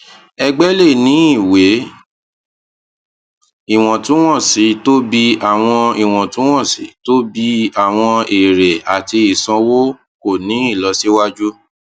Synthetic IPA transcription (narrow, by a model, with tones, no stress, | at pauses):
ɛ˧ɡ͡bɛ˦le˦˨nĩ˨˦i˦˨we˨˦ | i˦˨w̃ɔ̃˨tũ˨˦w̃ɔ̃˦˨si˨˦to˦bi˧a˨w̃ɔ̃˧i˨w̃ɔ̃˨tũ˨˦w̃ɔ̃˦˨sḭ˨˦to˦bi˧a˨w̃ɔ̃˧e˨ɾe˨a˨ti˧i˨sã˧wo˦ | ko˦˨nĩ˨˦i˦˨lɔ˨˦si˦wa˦d͡ʒu˦